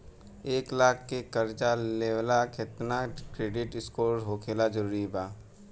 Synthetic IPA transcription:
eːklaːkʰːekəɾt͡ʃaleːʋlaːkɪt̪nakɾeːɖɪʈɪskoːɾɦoːkʰeːlad͡ʒəɾuːɾibaː

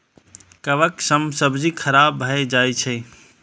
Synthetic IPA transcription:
kəʋəksəmsəbd͡ʒikʰəɾabːʱəed͡ʒajt͡ʃʰɛ

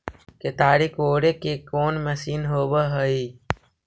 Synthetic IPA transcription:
ket̪aːɾikoːɽeːkekoːnməsiːnɦoːbəɦəiː

